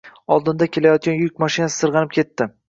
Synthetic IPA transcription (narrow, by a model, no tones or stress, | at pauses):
ɒlˠd̪ɪnd̪akʲʰe̞lajɒt̪̚kʲanjʊkʲmaʃinasɪ̥sɨɾʁɑnɪp̚kʲʰe̞t̪ːɪ